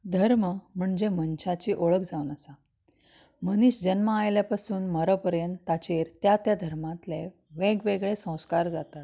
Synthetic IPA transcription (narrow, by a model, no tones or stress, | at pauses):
d̪ʱəɾməm̤əɳd͡ʑemənɕat͡ɕiːʔoɭəkd͡zaunəsa | məniɕd͡ʑənməajljapasuːnməɾapəɾjənt̪ːat͡ɕeɾt̪jat̪jad̪ʱəɾmãt̪le | ʋeɡʋeɡɭesə̃w̃skaɾd͡zat̪at̪̚